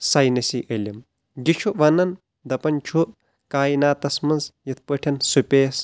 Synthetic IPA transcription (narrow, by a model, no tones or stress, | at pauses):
sajnɐsiʔəlʲim | d͡ʒit͡ʃʰuʔʋɐnɐn | d̪ɐpɐnt͡ʃʰuʔ | kaːjinaːt̪ɐsmɐnzjɐt̪̚ʰpəʈʰɐnsupʲeːs